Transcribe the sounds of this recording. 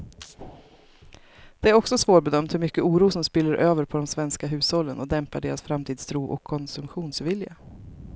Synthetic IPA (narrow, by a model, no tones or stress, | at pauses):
d̪̥ɛæɾɔksɔsvoːʈ̚bɛd̪œmt̪hɵɾmʏkːəuːɾuːsɔmspɪlːəɾʔøːvəɾpʰɔd̪ɔmsvɛnskaɦʉ̟ːshɔlːənɔd̪ɛmpaɖeːɾasfɾamt̪ʰiːd̪st̪ʰɾuːʔɔ̰kʰːɔnsɵmɧuːnsvɪlja